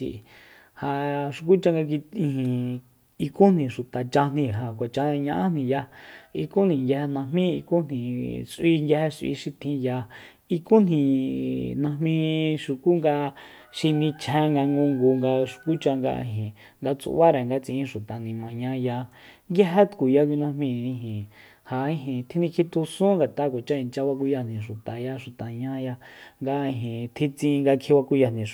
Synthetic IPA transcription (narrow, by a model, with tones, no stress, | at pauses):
ḭ˨ʔ | ha˧ʃu˨ku˦t͡ʃa˧ŋɡa˧k̬i˧ĩ˧hĩ˨ | i˧kũ˦n̥nĩ˨ʃu˨t̪a˨t͡ʃa˧n̥ĩ˧ɦa˨kʷa˨t͡ʃa˧ɲã˧ʔã˦n̥ĩ˧ja˧i˧ku˦nĩ˨ŋɡje˧he˧nã˧mĩ˦i˧ku˦n̥ĩ˨sʔi˧ŋɡʲe˧he˧sʷʔḭ˧ʃi˧t̪ʰĩ˧ja˧ | i˧kũ˦n̥ĩ˨nã˧mĩ˧ʃu˨ku˦ŋɡa˧ | ʃi˧nĩ˧t͡ʃʰẽ˧˦ŋɡa˧ŋɡũ˧ŋɡu˧ŋɡa˧ʃu̥˨ku˦t͡ʃa˧ŋɡa̰˧ʔɦĩ˨ | ŋɡa˧t͡sṵ˧˨βa˦ɾɛ˨ŋɡa˧t͡sĩ˧ʃu˨t̪a˨nĩ˨mã˨ɲã˧˦ja˧ŋɡja˦ɦe˦t̪ku˨ja˧k̬ʷi˧nã˧mĩ˧˨ĩ˧ɦĩ˨ | ha˨ĩ˦ɦĩ˨t̪ʰi˦nĩ˧kʰi˧t̪u˧sũ˦ŋɡa˨t̪a˧˦kʷa˨t͡ʃa˦i˨nt͡ʃa˧βa˧k̬u˧ja˧n̥ĩ˨ʃu˨t̪a˨ja˧ʃu˨t̪a˨ɲã˦ja˧ŋɡa˧ĩ˧˨ɦĩ˨t̪ʰĩ˧t͡sĩ˧ŋɡa˧kʰi˧wa˧ku˧ja˧˨nĩ˨